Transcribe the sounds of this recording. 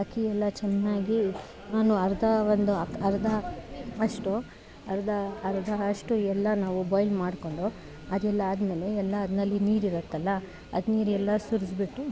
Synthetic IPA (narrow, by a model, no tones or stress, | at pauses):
ɐkʰiɛlːɐt͡ʃɛnːaːɡi | naːnuɐɾd̪ʱɐʋond̪uɐɐɾd̪ʱɐɐʂʈu | ɐɾd̪ʱɐːɾd̪ʱɐɐʂʈuɛlːɐnaːʋubɔːjlmaːɽko̞ɳɖo | ɐd̪ɛlːɐaːd̪meːleːlːɐːd̪nɐlːiniːɾiɾɐt̪ːɐlːɐ | ɐ̰d̪niːɾɛlːɐsuɾsbiʈːu